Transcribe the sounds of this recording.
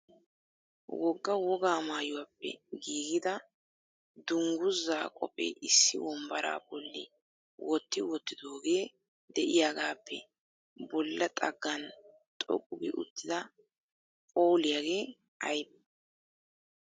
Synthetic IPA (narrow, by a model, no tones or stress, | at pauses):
wɔɡːɐwɔɡaːmaːjʊwapːɛ̰ɡiːɡɪd̪ɐ | d̪ʊŋɡʊzːaːkʼɔpʼɛ̰ʔɪsːɪ̰wɔmbɐɾa̰ːbɔlːɪ̰ | wʔɔt̪ːɪwɔt̪ːɪd̪o̞ːɡe̞ː | d̪ɛʔɪjaːɡaːpʰːɛ | bɔlːɐt̪ʼɐɡːɐn | t̪ʼɔ̰kʼːʊɡɪ̰ʔʊ̰t̪ʰːɪd̪ɐ | pʼo̞ːlɪjaːɡe̞ː | ɐjbɐ